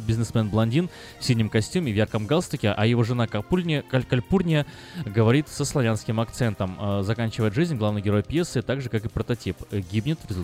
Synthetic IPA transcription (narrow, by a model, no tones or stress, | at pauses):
bʲɪznʲɪsmɛnblˠɐnʲdʲin | fsʲilʲnʲɪmkɐsʲtʲumʲɪvjarkəmɡalˠst̪ɨkʲɪʔɐjɪvo̞ʐɨnapʲkɐlʲpurnʲɪjə | ɡəvɐɾʲit̪səslˠɐvʲanskʲɪmɐkt̪sɛnt̪əmzɐkanʲt͡ɕɪvəjɪt̪ʐɨzʲnʲɡlˠavnɨjɡʲɪɾo̞jpʲjɛsːɨt̪aɡʐɨkakɨpɾət̪ɐtʲipɡʲibnʲɪt̪vɾʲɪzʊ